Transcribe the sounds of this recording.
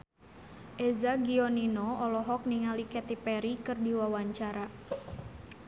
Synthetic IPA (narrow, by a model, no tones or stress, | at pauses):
ʔɛzaɡiɔninɔɔlɔɦɔk̚niŋalikɛt̪ipɛɾikɨrdiwawaɲt͡ʃaɾa